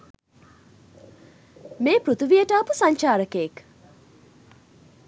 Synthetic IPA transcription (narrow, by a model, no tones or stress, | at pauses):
meːpɾut̪ʰuʋijəʈaːpusaɲt͡ʃaːɾəkeːk